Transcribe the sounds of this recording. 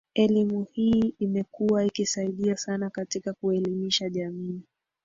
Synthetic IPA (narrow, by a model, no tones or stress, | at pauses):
ɛlimuhiːimɛkuwaikisaiɗiasanakatikakuɛlimiʃaʄamiː